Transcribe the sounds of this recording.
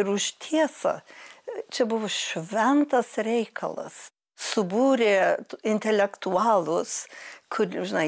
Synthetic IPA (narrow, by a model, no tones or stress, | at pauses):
ɪɾʊʃt̪ʲʰiɛsɐ̰ | t͡ʃʲɛbʊʋoʃʲʋʲɛnt̪ɐsɾʲɛɪkʰɐ̰lˠɐ̰s | sʊbuːɾʲeːɪnʲt̪ʲɛlʲɛkt̪uɑːlˠʊskʰʊrʒʲɪnɐɪ